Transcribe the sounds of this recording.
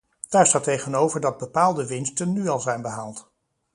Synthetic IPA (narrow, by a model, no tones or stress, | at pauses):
d̥aːɹstaːtejχənowvəɹdɑd̚bəpaːlˠdəʋɪnstənːyɑlˠzɛjnbəɦaːlˠt